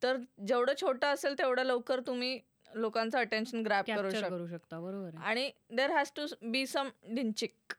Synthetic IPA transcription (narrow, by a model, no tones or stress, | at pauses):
t̪əɾd͡ʑeʋɽəːt͡ɕʰoʈəːselt̪eʋɽ̤ələʋkəɾt̪um̤iː | lokãnt͡saəʈenɕənɡɾæpkkəɾuːɕɾəkəɾuɕəkt̪abəɾobəɾaɽ̃id̪eɾɦæsʈubiːsəmɖint͡ɕik